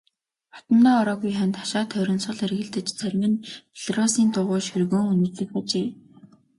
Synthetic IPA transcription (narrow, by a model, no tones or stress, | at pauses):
χɔ̥t̪ə̆mːaːɔɾɔːɣujχant̪ḁʃaːt̪ʰœɾʲɞ̆nsʁə̆ɮerɣɘ̆ɮt̪ɘ̆t͡ɕt͡sʰœrʲmɘ̆npʰiɮ̥rɔsiːnt̪ʊʁʊːʃɵrɣoːŋunɵ̆t͡sɮɵ̆kpʊt͡ɕeː